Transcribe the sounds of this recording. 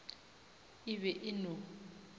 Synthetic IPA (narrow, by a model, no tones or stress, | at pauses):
ɪβɛʔɪno